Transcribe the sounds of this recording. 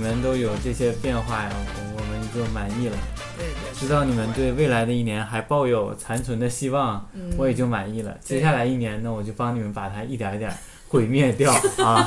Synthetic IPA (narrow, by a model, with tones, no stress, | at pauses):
mə˧˦nt̪o˥ʊjo˨˩ʊʈ͡ʂɤ˥˩ɕjɛ˥pjɛ˥˧nxwa˥˩jɐ̰˨˩ɔ˧˩wɔ˨˩mə˧˥n˨˩t͡ɕjo˥˩ʊma˨˩ni˥˩lə̰˩ | ʈ͡ʂɻ̩˧˥t̪ɑ˥˩ʊni˨˩mə˦nt̪we˥˧ɪwe˥˩ɪla˧˥ɪd̪ə˧i˥˩njɛ˧˥nxa˧˥ɪpɑ˥˧ʊjo˨˩ʊt͡sʰa˧˥nt͡sʰwə˧˥nd̪ə˧ɕi˥wɑ˥˩ŋwɔ˧˥jɛ˨˩t͡ɕjo˥˩ʊma˨˩ni˥˩lə̰˩t͡ɕjɛ˥ɕja˥˩la˧˥ɪi˥˩njɛ˧˥nna˥˩wɔ˨˩t͡ɕjo˥˩ʊpɑ˥ŋni˨˩mə˦npa˨˩t̪ʰa˥i˥˩t̪jɑ˧˥t̪jɛ̰˨˩˦ | xwe˥˩ɪmjɛ˥˧t̪jɑ˥˩ʊ˥˧